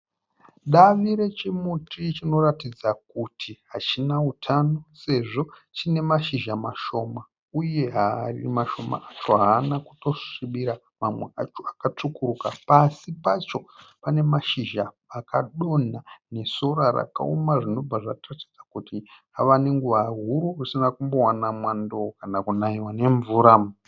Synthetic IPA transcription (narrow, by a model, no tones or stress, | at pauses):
ɗaʋiɾe̞t͡ʃimutit͡ʃino̞ratid͡zak̚utʰiɦat͡ʃinautʰano̞se̞ʐo̞ | t͡ʃine̞maʃiʒamaʃo̞ma | uje̞ɦarḭmaʃo̞ma̰at͡ʃo̞ɦaːnaku̥to̞ʂiɓiɾa | mamweat͡ʃoakat͡ʂukuɾukapasipat͡ʃo̞pane̞maʃiʒaː | kʰaɗo̞n̤ane̞soɾaɾa̰ka̰omaʐino̞b͡vaʐatati̥d͡zakuti | aʋane̞ŋɡuʋaɦuɾurusinakumbo̞wanamwandokanakunaiwane̞ɱvuːɾam